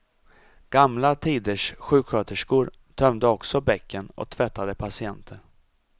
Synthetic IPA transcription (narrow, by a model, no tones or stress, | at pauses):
ɡ̥amlat̪ʰiːd̪əʂɧʉ̟ːkɧøːt̪əʂkuːɾ | t̪ʰœmd̪əɔksɔbɛkʰːənɔ̰k̚t̪ʰvɛt̪ːad̪əpʰasɪɛnt̪ʰəɳ